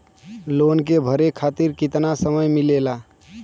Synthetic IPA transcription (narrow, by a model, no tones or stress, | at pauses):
lonkebʱəɾekʰat̪iɾkit̪nasəməjmilela